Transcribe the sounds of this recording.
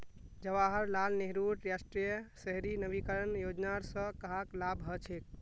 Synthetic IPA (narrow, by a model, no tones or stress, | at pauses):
d͡ʒəʋaɦəɾlalneɦɾuʈɾasʈɾijəsəɦɾinəbikəɾənjod͡ʒnaɾsə̃kəɦaklabɦət͡ʃʰek̚